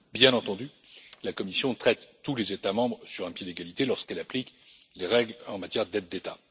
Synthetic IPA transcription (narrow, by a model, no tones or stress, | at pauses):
bjɛ̃nɑ̃t̪ɑ̃d̪y | lakɔmisjɔ̃t̪χɛt̪ːulezet̪amɑ̃bʁəsyʁɛ̃pjed̪eɡalit̪elɔʁskɛlaplik | leʁɛɡlɑ̃mat̪jɛʁd̪ɛd̪ːet̪a